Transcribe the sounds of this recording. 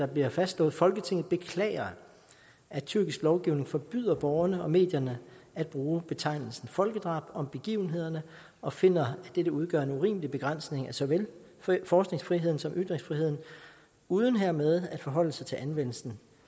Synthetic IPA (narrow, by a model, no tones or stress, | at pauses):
ɑ̈b̥liɐfæsd̥lɔ̰ːð̩ˠfɒ̽lɡ̥ət͡sʰe̝ŋð̩ˠb̥e̝kʰlɛ̰ːɪɐ | æ̥t͡sʰyɐɡisɡ̥lɒʊɡ̥iʊne̝ŋfɒ̽b̥y̰ðˠɐb̥ɒʊɐnəɒ̽me̝̰ːd̥jɐnəæd̥̚b̥ʁuːb̥e̝t͡sʰɑ̈ɪ̰nl̩sn̩fɒ̽lɡ̥əd̥ʁɑ̈ːb̥ɒ̽mb̥e̝ɡ̥ḭːʊn̩ɦe̝ð̰ˠɐnə | ʔɒ̽fe̝n̰ɐæd̥eɾ̥əuð̞ˠɡ̥ɶ̰ɐe̝nuʁḭːmlib̥e̝ɡ̥ʁɑn̰sne̝ŋæsɒ̽ʋel | fɒːsɡ̥ne̝ŋsfʁiɦe̝ð̰ˠn̩sɒ̽mʔyd̥ʁeŋsfʁiɦe̝ð̰ˠn̩ | uːð̞ˠn̩ɦeɐ̰með̞ˠæd̥fɒ̽ɦɒ̽l̰əsɑ̈ɪt͡sʰe̝lʔænʋen̰l̩sn̩